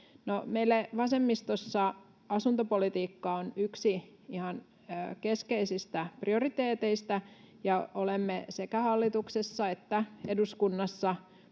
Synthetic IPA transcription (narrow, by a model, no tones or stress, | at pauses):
nomeilːæʋɑsemːist̪osːɑ | ɑsunt̪opolit̪iːkːɑonyksi | ihɑn | økeskeisist̪æpriorit̪eːt̪eist̪æ | jɑolemːesekæhɑlːit̪uksesːɑet̪ːæeduskunːɑsːɑ